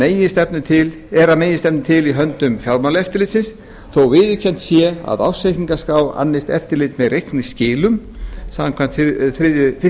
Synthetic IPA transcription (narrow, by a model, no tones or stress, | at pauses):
eːjɪst̪ɛpnɪt̪ʰɪl | ɛɾameːjɪst̪ɛp̚nɪt̪ʰɪliɦœnt̪ʏmfjawɾmanlɛft̪ɪɾlɪːt̪sɪns | θowvɪːðʏcʰɛn̥t̪sjɛa̰ða̰wsekiŋkaskaːwa̰nːɪjst̪ɛ̰ft̪ɪɾlɪt̪mɛðrejhknɪscɪːlʏm | samaŋkʰan̥t̪θɾɪðɪfɪ